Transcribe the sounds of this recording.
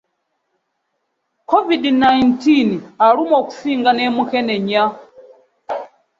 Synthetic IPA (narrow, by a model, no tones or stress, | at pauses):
kʰɔvidnajntinaɺumɔku̥siŋɡanɛmukɛnɛɲa